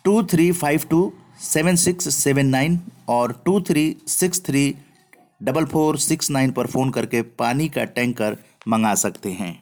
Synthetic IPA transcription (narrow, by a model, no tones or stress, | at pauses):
ʈuːt̪ʰɾiːfʰaːɪʋʈuː | seːʋə̃nsɪksːɛːʋə̃nːaːɪnɔːɾʈuːt̪ʰɾiːsɪkst̪ʰɾiː | ɖɐbəlpʰoːɾsɪksnaːɪnpɐɾfʰoːnkɐɾkepaːnikaʈɛ̃ːŋkːəɾ | mɐ̃ŋɡaːsɐkt̪eɦɛ̰̃ː